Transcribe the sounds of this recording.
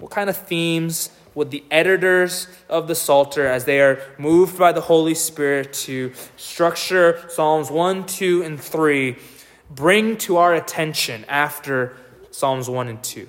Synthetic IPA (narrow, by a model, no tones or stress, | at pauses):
wʌt̚kʰãɪ̃ndʌvθĩmz | wəðiʔɛɾɨɾə˞z | ʔʌvðɨsɔlˠtʰə˞ɨzðeɪə˞muvbaɪðəhoʊlˠispɪɹɪtʰɨstɹ̥ʌk̚t͡ʃə˞sɑlˠmzwʌ̃ntʰʉɨ̃nθɹi | bɹɪ̃ŋtʰəaʊə˞ɨtʰɛ̃nʃɨ̃næftə˞ | sɑmzwʌ̃nɨ̃ntʰʉ̰